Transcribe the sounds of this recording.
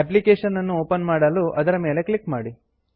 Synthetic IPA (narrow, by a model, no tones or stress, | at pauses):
ep̬likeːʂɐnːɐnːuoːpɐnmaːɽɐluʔɐd̪ɐɾɐme̞ːle̞kɭikmaːɽi